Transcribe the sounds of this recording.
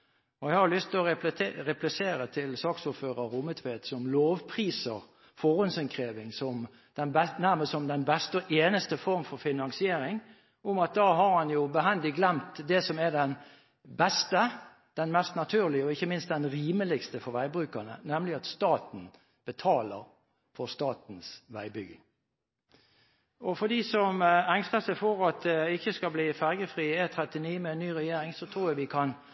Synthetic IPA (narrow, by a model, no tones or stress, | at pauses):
ɔɛɪhɑɾjʊlʏst̪ɔɾɛplɪseːɾət̪ʰɪlsɑːksʊːɾføːʁəuːmət̪ʰʋeːt̪sɔmloːʋpʰʁiːsəʁ | fɔʁʊnsɛnkʰɾeːʋɪŋsɔm | d̪̥ɛnbɛnæʁməssɔmd̪ɛnbɛst̪ɔʔeːnəst̪əfɔɾmfɔʁfɪnɑŋsɪeːɾɪŋ | ʊmɑt̪̚d̪ɑːɦɑɾhɑnjʊbəɦɛnd̪ɪɡlɛmt̪d̪ɛsɔmɛd̪ɛn | bɛst̪ə | d̪̥ɛnmɛst̪nɑt̪ʰʉːʁlɪəɔɪçːəmɪnst̪̚d̪ɛnɾiːməlɪɡst̪əfɔɾʋæɪbɾʉːkənə̰nɛmlɪɑt̪st̪ɑːt̪n̩ | b̥ət̪ʰɑːləɾ | fɔʁst̪ɑːt̪n̩sʋæɪbʏɡ̪ | ʔɔfɔd̪iːsɔmæŋst̪əsæɪfɔɾɑt̪̚d̪ɪçːəskɑbliːfæʁɡəfʁiːet̪ʰɾɛt̪ɪniːmɛnːyːʁɛjeːɾɪŋsɔt̪ʰɾuːjæʋɪkʰɑn